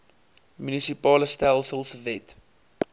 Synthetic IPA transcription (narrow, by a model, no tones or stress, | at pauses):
mynisipɑːləstælˠsəlˠsvɛt